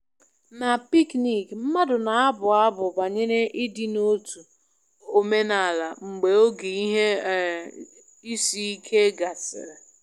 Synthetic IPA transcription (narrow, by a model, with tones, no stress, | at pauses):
na˨pi˦kni˨km̩˦ma˦dʊ˨na˨a˦bʊ˨a˦bʊ˨ba˨ɲe˦ne˦ʔi˦di˦no˦tu˨ | o˨me˦na˨la˨ŋ͡m̩˨ɡ͡be˨o˦ɡi˨i˦ɦe˦˨ | i˦si˦i˦kʰe˦ɡa˨sɪ̰˨ɾe˨